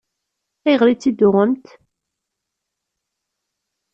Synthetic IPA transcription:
æjʁlit͡sːid̪ʊʁəmt̪

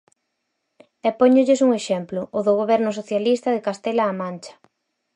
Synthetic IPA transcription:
ɛpɔɲʊʎɪsuŋeʃɛmplʊʔʊðʊɣoβɛɾnʊs̬oθjalist̪ɐðekast̪ɛlaːmãnt͡ʃɐ̥

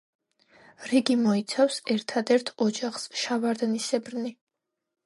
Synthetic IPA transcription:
ɾiɡimɔit̪sʰafsɛɾt̪ʰad̪ɛɾt̪ʰɔd͡ʒaχsʃavaɾd̪nisɛbɾni

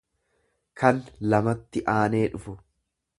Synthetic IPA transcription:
kɐnlɐmɐt̪ːɪʔaːne̞ːᶑʊfʊ

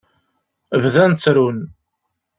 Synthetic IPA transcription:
əvðænt͡sːɾun

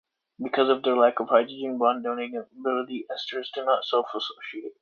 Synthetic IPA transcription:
bɨkʰʌzʌvðə˞lækʌv̥haɪdɹəd͡ʒɪ̃nbɑ̃ndõʊ̃nɪ̃ɡɛ̃nəbɪlˠəɾiɛstə˞zdɨnətsɛlˠfəsoʊʃieɪt̚

